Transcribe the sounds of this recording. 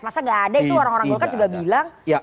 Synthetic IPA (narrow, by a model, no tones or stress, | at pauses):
masaŋɡaːdait̪uoɾaŋoɾaŋɡolkad͡ʒuɡabilaŋj